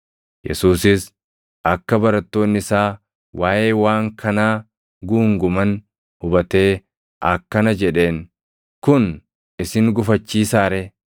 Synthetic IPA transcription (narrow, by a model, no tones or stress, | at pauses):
jɛ̰suːsɪs | ʔɐkːɐbɐɾɐt̪ːo̞ːnːɪsaː | waːʔe̞ːwaːŋkʰɐnaː | ɡuːŋɡʊmɐn | hʊbɐt̪e̞ː | ʔɐkːɐnɐd͡ʒɛᶑe̞ːn | kʊn | ɪsɪŋɡʊfɐt͡ʃːiːsaːɾɛ